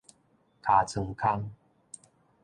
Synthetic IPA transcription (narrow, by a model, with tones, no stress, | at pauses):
kʰa˨˩t͡sʰə˨˩ŋkʰa˦˧ŋ